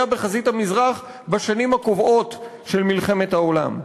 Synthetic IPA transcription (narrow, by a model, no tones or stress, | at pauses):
abeχazit̪hamizʁaχ | baʃanimhakovo̞t | ʃelmilχe̞me̞thao̞la̰m